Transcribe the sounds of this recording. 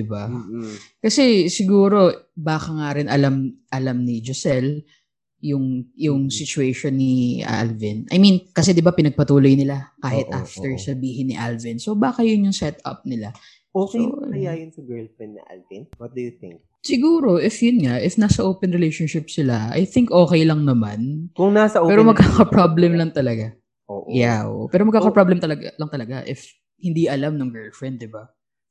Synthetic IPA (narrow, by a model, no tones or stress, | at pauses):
d̪ɪba | kɐsɛsɪɡuːɾo̞baːkɐŋaɾɪnɐlamʔɐlamnɪd͡ʒosɛl | jʊŋjʊŋsɪt͡ʃʊeʃonːɪʔa̰lvɪnʔɐ̰jminkɐsɛd̪ɪbapɪnɐɡ̚pɐt̪uːlojnɪlakaːhɪt̪ʔaft̪ɛɹsɐbiːhɪnːɪ̰ʔa̰lvɪnso̞baːkɐjʊnjʊŋsɛt̪ɐ̰p̚nɪla | oːso̰ɪjajʊnsɐɡɛɹlfɹɛnd̪nɐ̰ʔa̰lvɪnwɔt̪̚d̪ujʊθɪ̰ŋk̚ | sɪɡuːɾo̞ʔɪfjʊnŋaʔɪfnaːsɐʔoːpɛnɾɛlejʃonʃɪpsɪla̰ʔɐ̰jθɪŋkʔo̞ːkɛjlɐŋnɐmankʊŋnasɐʔopɛːɾomɐɡ̚kaːkɐpɾablɛmlɐŋt̪ɐlɐɡa | ʔo̰ːʔjaʔo̰ʔopɛːɾomɐɡ̚kaːkɐpɾablɛmt̪ɐlɐɡlɐŋt̪ɐlɐɡaʔɪf | hɪnd̪iʔɐlamnʊŋɡɛlfɹɛnd̪ːɪba